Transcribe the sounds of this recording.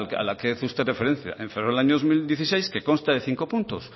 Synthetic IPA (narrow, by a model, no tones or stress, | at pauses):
lka̰lakeθust̪ere̞feɾẽ̞n̟θja̰ʔẽɱferoelaɲoðozmild̪jeθise̞jske̞ko̞nst̪aðe̞θiŋko̞punt̪os